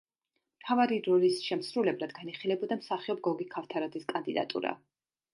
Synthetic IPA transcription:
mt̪ʰavaɾiɾɔlisʃɛmsɾulɛblˠad̪ɡaniχilɛbɔd̪amsaχiɔbɡɔɡikʰaft̪ʰaɾɔd̪ziskʼand̪id̪a̰t̪ʼṵɾa̰

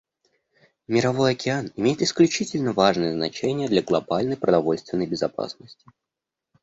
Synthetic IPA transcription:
mʲɪɾɐvo̞jɐkʲɪanɪmʲejɪt̪ɪsklʲʉt͡ɕitʲɪlʲnəvaʐnɨjəznɐ̰t͡ɕenʲɪjəd̪lʲɐɡlˠɐbalʲnəjpɾəd̪ɐvo̞lʲst̪vʲɪnːəjbʲɪzɐpa̰snəsʲtʲɪ̥

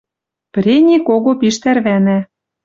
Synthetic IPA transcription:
pɾʲenʲikoɣopiʃt̪ærβænæ

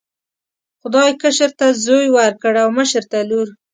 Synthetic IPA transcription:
xʊd̪ɑjkəʃəɾt̪azojwaɾkəɽawməʃəɾt̪aluɾ

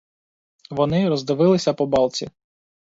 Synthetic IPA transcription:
ʋɔnɪɾɔzd̪ɪʋɪlˠɪsʲɐpɔbɑlˠt͡sʲḭ

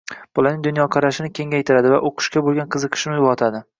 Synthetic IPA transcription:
b̥ʊlanɪŋd̪ʊnjɒqʰɑɾaʃɪnɪkʲʰe̞ŋʲajt̪ʰɪɾad̪ɪva̰ʔoqʰʊ̥ʃkʲabolˠɡʲanqʰɨzɨqʰɨ̥ʃɪnɪjʊʁɒt̪ʰad̪ɪ

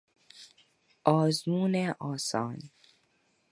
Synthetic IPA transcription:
ɔːzmuːneʔɔːsɔ̰ːn

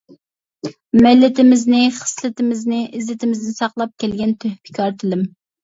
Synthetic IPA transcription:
mɛlːɪt̪ʰɪmɪznɪχə̥slˠɨt̪ʰɪmɪznɪʔɪzɪt̪ʰɪmɪznɪsɑqlˠɑp̚kʲɛlɡʲɛnt̪ʰøhpʰɪ̥kʲʰɑɾt̪ʰɪlɪm

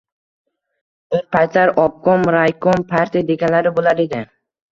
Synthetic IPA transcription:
oɾpʰajt̪laɾɒp̚kɒmɾajkʰɔɒmpʰaɾt̪ʰijad̪e̞ɡʲanlaɾɪbolaɾe̞d̪ɪ

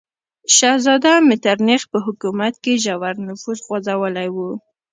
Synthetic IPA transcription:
ʃazɑd̪amɪt̪aɾnexpəɦʊkumat̪̚keʒawaɾnʊfuzɣwazawəlajwu

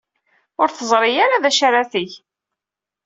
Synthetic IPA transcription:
ʊɾθəzˤɾˤɪjaɾaðæʃaɾaθiʝ

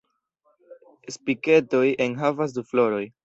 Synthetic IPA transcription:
spike̞to̞je̞nɦavas̬duflo̞ɾo̞j

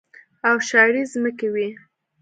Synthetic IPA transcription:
awʃɑɾizməkewi

